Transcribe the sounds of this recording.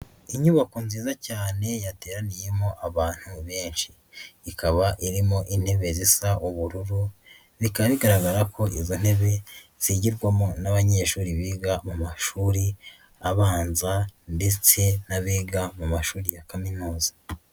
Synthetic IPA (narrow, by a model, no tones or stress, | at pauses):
iɲuβakonziːzacaːne̞jate̞ːɾanije̞mo̞ʔaβaːn̥huβe̞ːnʃiː | kʰaβaʔiɾimo̞ʔin̥he̞βe̞zisaʔuβuɾuɾu | βikaβaβiɡaɾaɡaɾakʰo̞ʔizon̥e̞βe̞z̥iɟiɾɡwamo̞naβaɲe̞ːʃuːɾiβiːɡamumaʃuːɾi | aβaːnzande̞t͡se̞naβiːɡamumaʃuːɾijakaminuːzḁ